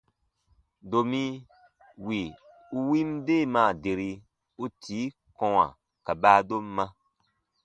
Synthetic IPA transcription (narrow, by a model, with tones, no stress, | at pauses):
do˨mĩ˦ | wi˨ | u˧wi˦m˦deː˦˨mãː˨de˨ɾi˧ | u˦tʰiː˨˦ | kɔ̃˧wa̰˨ | ka˨baː˦do˦mː˦ã˧